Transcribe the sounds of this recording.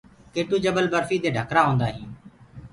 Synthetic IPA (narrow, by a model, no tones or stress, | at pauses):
keːʈuːd͡ʒəbəlbəɾfiːd̪eːɖʱəkɾaːɦõːnd̪aːɦĩː